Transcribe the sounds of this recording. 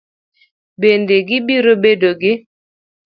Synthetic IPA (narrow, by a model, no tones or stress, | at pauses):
bendeɡɪbiɾobedoɡɪ